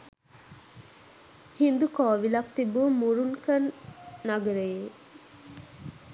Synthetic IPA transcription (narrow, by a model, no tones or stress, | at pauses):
hind̪ukɔːʋilɐk̚t̪ibumuɾuŋkɐnːaɡɐɾeje